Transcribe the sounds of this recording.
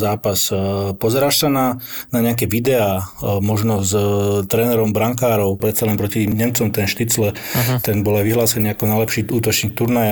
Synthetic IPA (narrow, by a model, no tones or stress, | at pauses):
zaːpaspɔzɛɾaːʃsananaɲɛak̬ɛʋid̪ɛaːmɔʒnɔzt̪ɾɛːnɛɾɔmbɾaŋkaːɾɔʊpɾɛt̪st͡salɛnpɾɔciɲɛmt͡sɔmt̪ɛnʃt̪it͡slɛt̪ɛnbɔlajʋiɦlaːsɛniːakɔnajlɛpʃiːuːt̪ɔt͡ʃnɲiːk̚t̪uɾnaja